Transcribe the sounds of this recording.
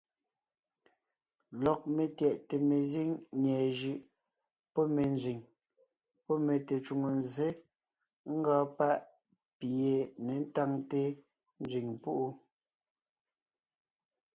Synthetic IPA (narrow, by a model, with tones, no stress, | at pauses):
lɔ˨k̚me˨tjɛ˨ʔte˨me˨zi˦ŋɲɛː˨ʒɯ˨ʔ | pɔ˦me˨nzɥi˨ŋ | pɔ˦me˨te˨t͡ʃu˨ŋo˨nze˦ | ŋ̩˦ɡɔː˨˦pa˦ʔ | pi˨e˨ne˨n̩˦ta˦ŋte˦ | n˦d͡zɥi˨ŋpu˦ʔu˦